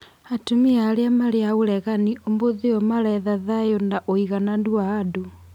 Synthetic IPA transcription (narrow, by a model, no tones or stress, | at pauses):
atumiaɾeamaɾeauɾɛɣaniomboðeɔmaɾɛðaðajɔndaʔɔiɣanandwaːdu